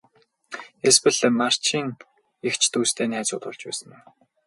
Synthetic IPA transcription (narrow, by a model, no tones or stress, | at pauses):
espɘ̆ɮmar̥t͡ɕiːŋ | ext͡ɕʰt̪ʰuːst̪ʰeːnæːt͡sʊ̰ːt̪ʊ̰ɮt͡ɕpæ̰ːsə̆ŋæn